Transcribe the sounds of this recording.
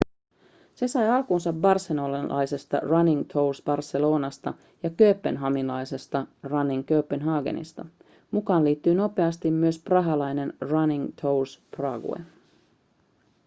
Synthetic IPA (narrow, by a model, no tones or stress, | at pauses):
se̞sɑjɑlkunsɑbbɑrselolɑlʔɑ̰jse̞st̪ɑ̰rɑniŋt̪ʰo̞wlsbɑrse̞lo̞ːnɑst̪ɑ | jɑkø̞ːpːe̞nɦɑminlɑjse̞st̪ɑrɑniŋkøːpːenɦɑːɡḛnḭst̪ɑ̰ | mukɑːnliːt̪ːyːno̞pe̞ɑst̪imːyøsprɑɦɑlɑjne̞nrɑniŋt̪ʰowlsprɑːɡṵḛ